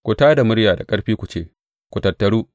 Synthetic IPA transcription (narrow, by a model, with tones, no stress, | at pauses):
kʷʊ˨taː˦da˨mʊ˦ɾjaː˨da˨kʼɐ˦ɽɸiː˦kʷu˨t͡ʃeː˦ | kʷu˨tɐ˨tːɐ˨ɽuː˦